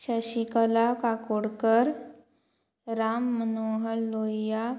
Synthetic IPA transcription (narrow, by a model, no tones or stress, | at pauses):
ʃaʃikəlakakoɽkəɾ | ɾaːmːənoːɦəlːoːja